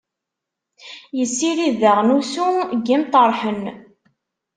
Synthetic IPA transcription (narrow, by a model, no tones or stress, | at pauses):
jəsːiɾiðəʁnusuɡimt̪ˤəɾˤħən